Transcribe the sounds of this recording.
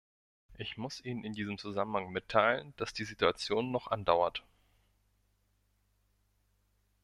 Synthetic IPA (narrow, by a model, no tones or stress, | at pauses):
ʔɪçmʊsʔiːnənɪndiːzəmt͡suzamən̩haŋmɪtʰːaɪlənd̥asd̥iːzituat͡sjoːnːɔχʔandaʊɐt